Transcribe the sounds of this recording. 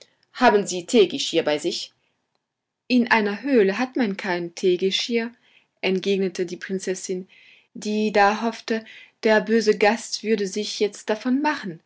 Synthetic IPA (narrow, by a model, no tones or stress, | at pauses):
haːbn̩ziːtʰeːɡɪʃiːɐbaɪzɪç | ʔɪnʔaɪnɐɦøːləɦatmankʰaɪntʰeːɡɪʃhiːɐ | ʔɛntɡ̥eːɡnətʰədiːpʁ̥ɪnt͡sɛsɪn | diːdaːɦɔftəd̥eːɐbøːzəɡastv̥ʏɐdəzɪçjɛt͡st̚d̥afɔnmaχn̩